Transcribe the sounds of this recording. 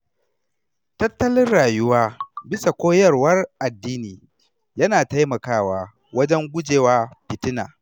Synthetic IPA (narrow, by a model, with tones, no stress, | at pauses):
tɐ˦tːɐ˦lɪ˦nɽaː˨jʊ˦waː˦bɪ˦sa˨kʷoː˦jɐ˦rwɐ˦rʔa˨dːiː˦niː˨ | jɐ˦naː˨ta˦jmɐ˨kaː˦waː˦ | wɐ˦d͡ʒɛ˦ŋɡʷʊ˦d͡ʒeː˨waː˦ɸɪ˨tɪ˦na̰ː˨